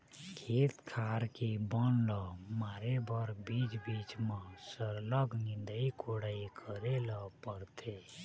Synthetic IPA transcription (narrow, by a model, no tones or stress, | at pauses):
kʰeːt̪kʰaːɾkibənləmaːɾebəɾbiːd͡ʒbiːt͡ʃmãsəɾləɡnɪ̃nd̪əikʰoɽaikʰəɾeləpəɾt̪ʰe